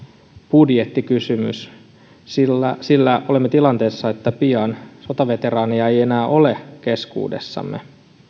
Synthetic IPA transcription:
b̥udjet̪ːikysymy̰s | silsilːæo̞lemːet̪ilɑnt̪e̞ːsːɑet̪ːæpiɑnso̞t̪ɑʋe̞t̪e̞ɾɑːniɑe̞jenæːʔo̞le̞ke̞skṵːde̞̰sːɑ̰mːe

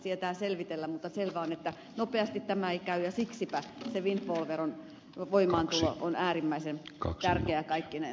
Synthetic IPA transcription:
siet̪æːselʋit̪elːæmmut̪ːɑselʋæonet̪ːæ | nopeɑst̪it̪t̪æmæeikæyjɑsiksipæseʋint̪ʋolʋeron | ʋoimɑːnt̪ulo̰ʔonæːrimːæisent̪ærkeækɑikːine

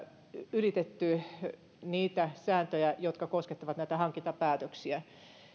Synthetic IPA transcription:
ylit̪et̪ːy | niːt̪æsæːnt̪øjæjot̪kɑkosket̪ːɑʋɑt̪næit̪æhɑŋkint̪ɑpæːt̪øksiæ

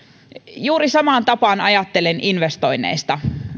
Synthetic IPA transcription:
juːɾisɑmɑːnt̪ɑpɑːnɑjɑt̪ːelenʔinʋest̪o̞jnːˑḛjst̪ɑ

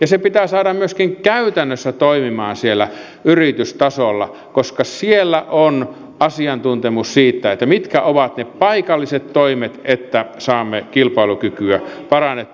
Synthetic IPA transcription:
jɑsepit̪æːsɑːɾɑmmyøskiŋkæyt̪ænːøsːæt̪oimimɑːnsielːæ | yrit̪yst̪ɑsolːɑ | koskɑsielːæʔon | ɑsiɑnt̪unt̪emussiːt̪ːæet̪ːæmit̪kæoʋɑt̪neppɑikɑlːiset̪toimet̪et̪ːæsɑːmːekilpɑilukykyæpɑrɑnet̪ː

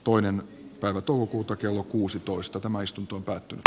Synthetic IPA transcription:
t̪oinen | pæiʋæt̪oˑukokuːt̪ɑkelːokuːsit̪oist̪ɑt̪æmæist̪unt̪oompæːt̪ːynyt̪

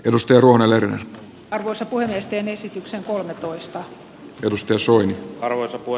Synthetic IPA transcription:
e̞dust̪ɑjɑɾuohnelerner | ɑrʋoisɑpuhemiest̪eːne̞sit̪ykseŋkolmet̪oist̪ɑ | e̞dust̪ɑjɑsoiniɑrʋojsɑpu

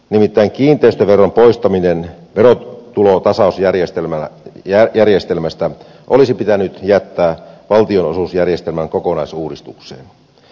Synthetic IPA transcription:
nimit̪ːæiŋkiːnt̪ˑeyst̪øʋerːɑmpoist̪ɑminen | ʋerot̪ulot̪ɑsɑˑusjærjest̪elmæ | jærjest̪elmæst̪æ | ʔolisipit̪ænyt̪jæt̪ːæːʋɑlt̪ionosusjærjest̪elmæŋkokonɑisuːdist̪uksḛːn

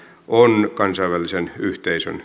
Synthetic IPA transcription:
ʔonkɑnsɑiʋælːisenyht̪eisø̰n

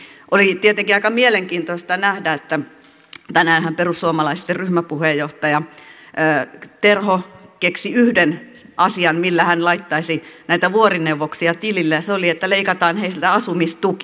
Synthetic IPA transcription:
ʔolit̪iet̪eŋkiɑikɑmieleŋkiːnt̪oist̪ɑnæhdæet̪ːæ | t̪ænæːnhæmperusːuomɑlɑist̪ːerryhmæpuhejjoht̪ɑjɑəːt̪erhokeksiyhden | ɑsiɑnmilːæhænlɑit̪ːɑisinæit̪æʋuorineuʋːoksiɑt̪ililːæjɑseoliet̪ːæleikɑt̪ɑːnheislt̪æɑsumist̪uk

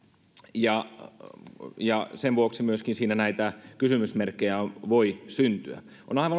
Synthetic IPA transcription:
jɑ | jɑseʋʋuoksimyøskinsiːnænæit̪ækysymysmerkːejæʋoisynt̪yæ̰ | onɑiʋɑ

